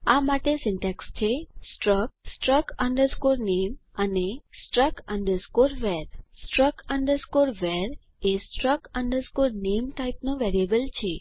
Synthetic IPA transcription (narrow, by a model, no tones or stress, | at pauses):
amaʈesɪ̃ɳʈekst͡ʃʰesʈɾək̚sʈɾəkəɳɖəɾskoɾnemənesʈɾəkəɳɖəɾskoɾʋeɾsʈɾəkəɳɖəɾskoɾʋeɾ | esʈɾəkəɳɖəɾskoɾnemʈaipnõʋeɾiəbəlt͡ʃʰe